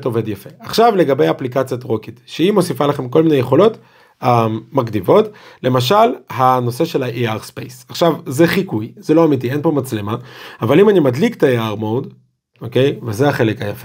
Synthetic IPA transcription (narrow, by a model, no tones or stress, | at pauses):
to̞ve̞djafe̞aχʃavle̞ɡabe̞jaːplikat͡sjatʁokitʃeimo̞sifalaχe̞mko̞lminejeχo̞lo̞t | amakdivo̞tle̞maʃalhano̞se̞ʃe̞laʔiaʁspḛjsaχʃavzeχikujz̥eloamit̬ie̞npo̞mat͡slemaːvalimanimadlikt̪aiaʁmod | oke̞jvezeaχe̞lekhajafe